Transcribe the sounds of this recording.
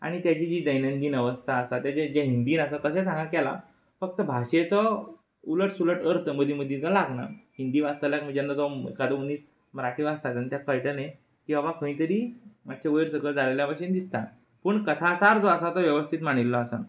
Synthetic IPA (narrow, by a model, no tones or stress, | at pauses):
a̰ɽ̃it̪jat͡ɕid͡ʑiːd̪əjnənd̪iːnəʋəst̪ʰaːsat̪jad͡ʑed͡ʑeɦind̪iːnasat̪əɕsesãŋɡakɛla̰ | fək̚t̪əbʱaɕet͡sɔ | uləʈsuləʈəɾt̪ʰəməd̪iməd̪ʱːid͡zɔlaɡna̰hind̪iʋast̪əljak̚m̤əɳd͡ʑanːad͡zɔḛkad̪əuniːs | məɾaʈiʋast̪ʰat̪ant̪jakəɭʈəne | kĩʋaʋakʰə̃ĩt̪əɾiːmat̪̚ɕʰeʋəjɾsəɡəɭd͡zaleljapaɕind̪ist̪a | pəːɳkət̪ʰasaɾd͡zoəsat̪ɔʋjəʋəst̪ʰit̪maɽ̃ilːɔasa̰